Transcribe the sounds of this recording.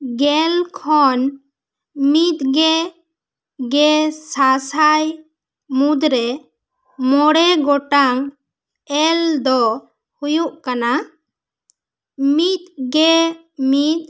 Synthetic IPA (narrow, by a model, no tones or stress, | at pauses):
ɡɛlkʰɔn | mit̪̚ɡɛ | ɡɛsasaj | mud̪ɾɛ | mɔɽɛɡɔʈaŋ | ɛld̪ɔ | hujuʔkana | mit̪̚ɡɛ | mit̪̚